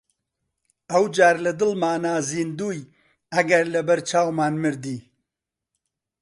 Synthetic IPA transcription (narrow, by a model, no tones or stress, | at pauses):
ɐwd͡ʒaːɾlɐd̪ɨlmaːnaːziːnd̪uːj | ɐɡɐɾlɐbɐɾt͡ʃʰaːwmaːnmɨɾd̪iː